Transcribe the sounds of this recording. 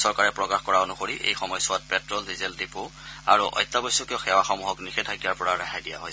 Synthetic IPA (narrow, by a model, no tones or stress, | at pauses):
sɔɹkaɹɛpɹɔkaxkɔɹaonuxoɹiʔḛjxɔmɔjsʊat̚pɛtɹɔldizɛldipʊa̰ɹuʔɔ̰jtːabɔjsʊkiɔ̃xɛwaxɔmuɦɔknixɛtʰakijaɹpɔɹaɹaxʰajdija̰ɦɔj